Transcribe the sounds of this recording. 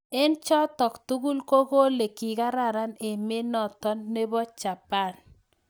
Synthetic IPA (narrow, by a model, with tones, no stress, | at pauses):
ɛ˦nt͡ʃɔ˦tɔ˨ktu˦ɡu˦lko˦ɡo˦le˨ki˨ɡa˦ɾa˨ɾa˦ne˨me˦nɔ˨t̪ɔ˦nːe˦bɔ˦t͡ʃa˨pa˦˨n